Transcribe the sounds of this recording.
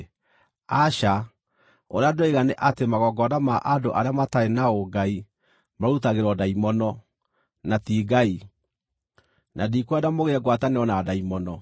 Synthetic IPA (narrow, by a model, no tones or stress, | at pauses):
aɕa | o̰ɾeadoeɣaneʔatemaɣɔɡɔdamaʔadoʔaɾeamataenaoɡai | maɾutaɣeɾwɔdaimɔnɔ | natiːɡai | nadikwɛdamoɣeɛɡwataneɔnadaimɔnɔ